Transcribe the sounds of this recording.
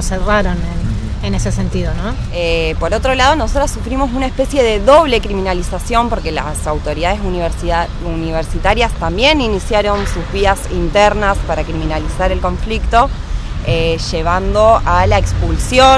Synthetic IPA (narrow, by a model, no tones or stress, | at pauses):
seraɾonen | ene̞sesent̪iðono | epo̞ɾo̞t̪ɾo̞lað̞o̞no̞s̬o̞t̪ɾasːufɾimo̞sunaespe̞sje̞ðe̞ðo̞β̞le̞kɾiminalisasjo̞mpo̞ɾke̞la̰sawt̪o̞ɾiðaðes | uniβ̞eɾsit̪aɾjast̪ambje̞ninisjaɾo̞nsuzβiasint̪eɾnaspaɾakɾiminalisaɾe̞lko̞ɱflikt̪o̞ | eʃe̞β̞and̪o̞alaekspulsjo